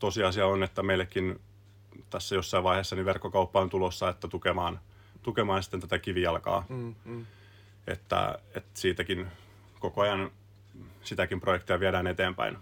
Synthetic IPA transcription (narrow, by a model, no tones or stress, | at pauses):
t̪osiɑsiɑonet̪ːæmeilːekːin | t̪æsːæjosːɑiʋɑiheːsːɑniʋʋerkːokɑupːɑont̪ulosːɑet̪ːæt̪ukemɑːn | t̪ukemɑːnsi̥t̪ːent̪æt̪ækiʋiɑlkɑ̰ː | ḛt̪ːæ̰et̪siːt̪ækin | kokoɑjɑn | sit̪ækimprojekt̪iɑʋieɾæːnet̪eːmpæ̰in